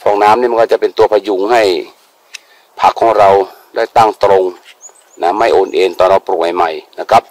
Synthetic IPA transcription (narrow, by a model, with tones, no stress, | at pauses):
pʰɔː˧˩ŋ̚naː˦˥mni˧˩˨a˧˨˩kɔ˧˥˩t͡ɕa˧˩pe˨nt̪u˧ɐpʰa˧juː˧˨ŋha˧˩j | pʰa˦˩kʰːɔː˧˥ŋɾa˧wdaː˥˩jt̪a˥˩ŋt̪ɾo˧ŋ | na˧˥ma˥˩jʔoː˧nʔeː˧nt̪ɔː˧nɾa˧wpɾu˧˩ŋha˧˩jma˧˩jna˧˩kʰa˦˥p̚